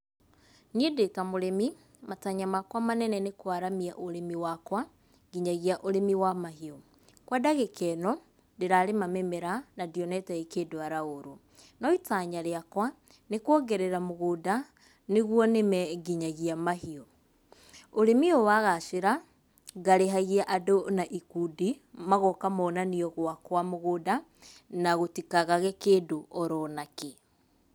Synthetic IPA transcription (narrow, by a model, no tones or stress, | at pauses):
niedekamoɾemi | mataɲamakwamanɛnɛnekwaɾamiaʔoɾemiwakwa | ɡiɲaɣiaʔoɾemiwamaɦiɔ | kwadaɣekʰɛnɔ | ndeɾaɾemamemɛɾanadjɔnɛtɛekedwaɾaoɾo | nɔitaɲaɾeakwa | nekwɔɡɛɾɛɾamoɣoːda | neɣwɔnemɛɡiɲaɣiamaɦiɔ | oɾemiɔwaɣaʃeɾa | ɣaɾeɦaɣiaʔadonaʔikudimaɣɔkamɔːnaniɔɣwakwamoɣoda | naɣotikaɣaɣɛkeːdoʔɔɾɔnake